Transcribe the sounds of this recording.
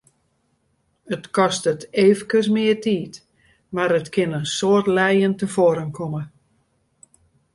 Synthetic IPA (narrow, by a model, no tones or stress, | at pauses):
ətkɔstəteːvəkəs̬mɪərtiːt | maɾətkʰɪnənsoərtlɛjəntəvoːɾənkʰomə